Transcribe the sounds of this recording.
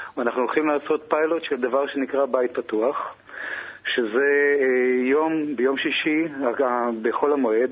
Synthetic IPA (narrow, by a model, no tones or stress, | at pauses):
anaχnuolχimlaːso̞t̪pajlo̞t̪ʃeld̪avaʁʃe̞nikʁabajit̪̚pat̪uaχ | ʃeze̞ | jo̞mbejo̞mʃiʃiaabeχo̞lamoe̞d